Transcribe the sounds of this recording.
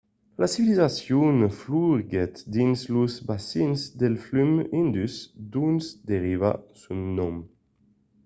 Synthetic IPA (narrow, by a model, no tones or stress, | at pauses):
lasivilizasjunfluɡet̪d̪inzluzbasinzd̪elflymind̪ysd̪unsd̪eɾiva̰sunːɔm